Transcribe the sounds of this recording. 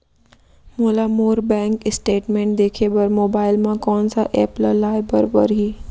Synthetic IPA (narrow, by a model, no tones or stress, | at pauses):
moːlaːmoːɾbɛ̃ːŋkɪsʈeːʈmẽːɳʈ̚d̪eːkʰeːbəɾmoːbaːɪlmãkɔːnsãʔɛːpləlaːɪbəɾbəɾɦiː